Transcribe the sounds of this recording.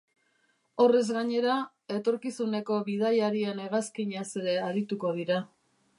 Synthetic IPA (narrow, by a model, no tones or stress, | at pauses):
o̞re̞zɣaɲe̞ɾa | e̞t̪o̞ɾkisune̞ko̞βið̞ajaɾiene̞ɣaskiɲase̞ɾe̞aɾit̪uko̞ðiɾa